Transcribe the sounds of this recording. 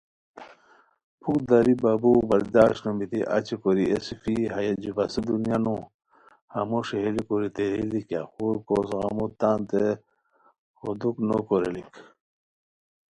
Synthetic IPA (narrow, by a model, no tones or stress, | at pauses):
pʰukd̪aɾibabubɐɾd̪aːʃnomit̪iʔɐ̰t͡ɕikoɾiesifiɦɐjɐd͡ʑubɐsed̪unjanũ | hɐmoʂeɦelikoɾit̪eɾilikja̰xuɾkosɣa̰mot̪aːnt̪e | hod̪uknokoɾelik